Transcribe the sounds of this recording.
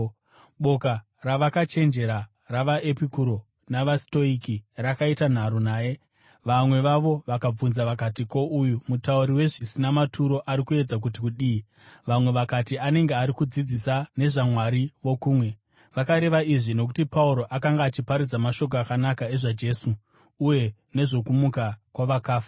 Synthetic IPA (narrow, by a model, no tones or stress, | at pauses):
ɓo̞ka | raʋakat͡ʃe̞nd͡ʒe̞ɾa | raʋaʔepikuɾo̞ | naʋasto̞ikirakaitan̤aɾonaːje̞ | ʋamwe̞ʋaʋo̞ʋakab͡vunzaʋakatiko̞ʔujumutauɾiwe̞ʐisinamatʰuɾo̞ʔaɾikue̞d͡zak̬ut̬ikuɗiː | ʋamwe̞ʋakatiane̞ŋɡeaɾikud͡zid͡zisane̞ʐamwaɾiʋo̞kuːmwe̞ | ʋakaɾe̞ʋaiʐino̞k̬utipauɾo̞ʔakaŋɡaːt͡ʃipaɾid͡zamaʃo̞k̬oakanakae̞ʐad͡ʒe̞ːsuː | je̞ | ne̞ʐo̞kumukakwaʋakaːfa